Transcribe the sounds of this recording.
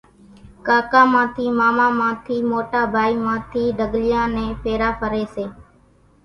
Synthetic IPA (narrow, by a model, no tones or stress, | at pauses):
kaːkãːmãːt̪ʰiːmaːmãːmãːt̪ʰiːmoːʈaːbʱaːiːmãːt̪ʰiːɖʱəɡlɪjãːnẽːpʰeːɾaːpʰəɾeːseː